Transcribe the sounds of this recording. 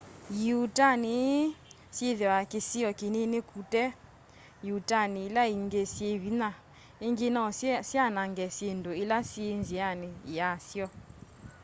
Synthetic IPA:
jutani | sjeðewakesiɔkenenekʰutɛ | jutanilaiŋɡesieβina | eŋɡenɔsianaŋɡɛsendoelasienzianeasjɔ

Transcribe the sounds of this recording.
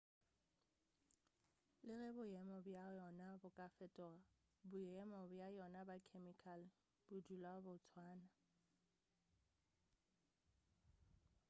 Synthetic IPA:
lɪrɛbʊjɛmɔbjajɔnabʊkʼafɛtʼɔːa | bʊjɛmɔbjajɔnabakʰemikʰal | b̥ʊdulabʊt͡sʰwaːna

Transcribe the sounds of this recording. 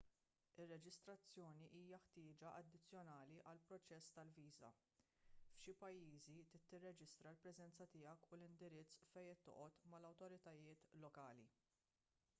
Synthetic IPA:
ɪrːɛd͡ʒɪst̪ɾɐt͡sːjɔːniʔiːjɐħt̪ɪːd͡ʒɐʔɐd̪ːɪt͡sːjɔnɐːliʔɐlpɾɔt͡ʃɛsːt̪ɐlviːzɐ̰ | fʃɪpɐjːiːzit̪ɪt̪ːɪrːɛd͡ʒɪst̪ɾɐlpɾɛzɛnt͡sɐt̪ɪjɐkulɪnd̪ɪɾɪt͡sːfɛjɛt̪ːɔ̰ʔɔt̪mɐlɐwt̪ɔɾɪt̪ɐjɪːt̪lɔkɐːlḭ

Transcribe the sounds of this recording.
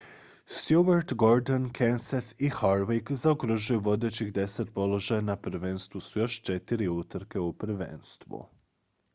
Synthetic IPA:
st̪juʋaɾt̪ɡo̞ɾd̪onkʰenset̪ixaɾʋekzaokɾoʒujuʋo̞d̪e̞t͡ɕixd̪e̞set̪po̞lo̞ʒajanapɾ̩ʋenst̪ʋusujo̞ʃt͡ʃe̞t̪iɾiut̪ɾ̩ke̞upɾ̩ʋḛːnst̪ʋṵ

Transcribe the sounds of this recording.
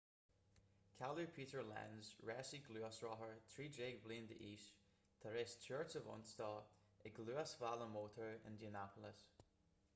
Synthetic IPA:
kʰalˠəpʰiʔə˞lɛ̰̃nzɹɛsiɡlˠʉəsɹɔɦə˞t̪ʰɹ̥iːd͡ʒeɡblˠĩnd̪ə̰ʔiʃ | t̪ʰəɹɪst͡ʃʰɜɹtsəvɔ̰̃nstɔ | ʔɪɡlˠʉəsvalˠəmotʰə˞ə̃ndiənapʰəlˠəs

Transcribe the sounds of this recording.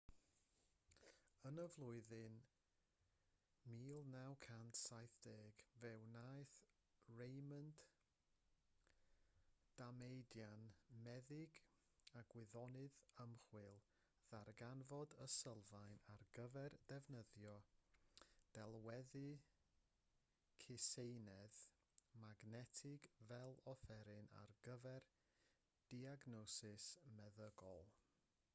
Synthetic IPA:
ənəvlˠʊɨðɨn | miːlˠnawkʰantʰsajθd̥eːɡvɛwnajθ | ɹejmənd | d̥amejdjanmɛðɪɡ | aɡwɪðɔnɨðəmχwɪlˠ | ðarɡanvɔdəsəlˠvajnarɡəvɛrdɛvnəðjɔ | d̥ɛlˠwɛðɨ | kʰɪsejnɛð | maɡnɛtʰɪɡvɛlˠɔfɛɾɨna̰rɡ̥əvɛr | d̥iaɡnɔsɪsmɛðəɡɔlˠ

